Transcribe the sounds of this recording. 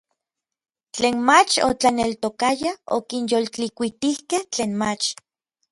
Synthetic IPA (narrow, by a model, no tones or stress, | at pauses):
t͡ɬeːnmat͡ʃo̰t͡ɬanelt̪okajao̰kinjolt͡ɬikʷit̪ihkeht͡ɬeːnmat͡ʃ